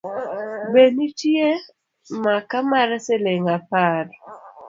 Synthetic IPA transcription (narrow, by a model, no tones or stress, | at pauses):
benitje | makamaɾseleŋapaɾ